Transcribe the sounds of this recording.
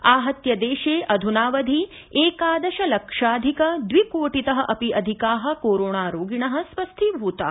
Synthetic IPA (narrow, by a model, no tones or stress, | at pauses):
aːɦɐt̪jɐd̪eːʃeːʔɐd̪ʱunaːʋɐd̪ʱi | eːkaːd̪ɐʃɐlɐkʂaːd̪ʱikɐd̪ʋikoːʈit̪ɐɦɐ̆ʔɐpiʔɐd̪ʱikaːɦɐ̆koːɾoːɳaːɾoːɡiɳɐɦɐ̆sʋɐst̪ʰibʱuːt̪a̰ː